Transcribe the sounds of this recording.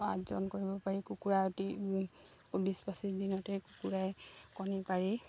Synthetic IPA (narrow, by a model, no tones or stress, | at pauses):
a̰zɔ̰nkoɹibɔpaɹikukuɹaoti | ubispasidinɔtɛkukuɹajkɔnipaɹi